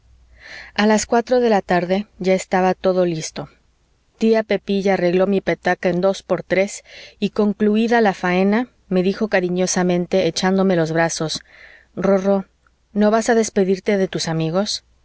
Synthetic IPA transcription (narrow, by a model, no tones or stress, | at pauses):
alaskwat̪ɾo̞ðe̞lat̪aɾðe̞ʝae̞st̪aβat̪o̞ðo̞list̪o̞ | t̪iape̞piʝaːre̞ɣlo̞mipet̪akaend̪o̞spo̞ɾt̪ɾe̞siko̞ŋkluiðalafae̞na | me̞ðixo̞kaɾiɲo̞samẽ̞nt̪e̞ːt͡ʃand̪o̞me̞lo̞zβɾaso̞s | roro̞ | no̞βasaðe̞spe̞ðiɾt̪e̞ðe̞t̪usamiɣo̞s